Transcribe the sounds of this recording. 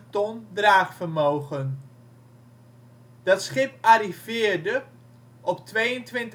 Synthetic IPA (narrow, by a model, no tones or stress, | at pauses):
tɔndraːχfəɹmowχən | d̥ɑtsχɪpaɾivɪːɹdə | ʔɔptʋejəntʋɪnt